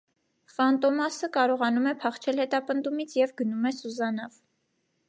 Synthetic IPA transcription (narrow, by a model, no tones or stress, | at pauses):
fɑnt̪ɔmɑsəkɑɾɔʁɑnumɛpʰɑχt͡ʃʰɛlhɛt̪ɑpənd̪umit͡sʰjɛvɡənumɛsuzɑnɑv